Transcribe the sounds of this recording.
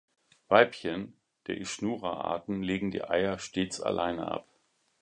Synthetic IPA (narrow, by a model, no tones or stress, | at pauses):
v̥aɪpçən | d̥eːɐʔɪʃnuːʁɐʔa̰ɐtn̩leːɡŋ̩dḭːʔaɪɐʃteːt͡sa̰lʔaɪnə̰ʔa̰p